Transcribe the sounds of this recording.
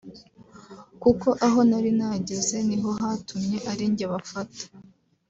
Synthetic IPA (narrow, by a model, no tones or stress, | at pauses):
kuko̞ʔaɦo̞naɾinaɟeze̞niɦo̞ɦatumɲe̞ʔaɾiɲɟeβafatḁ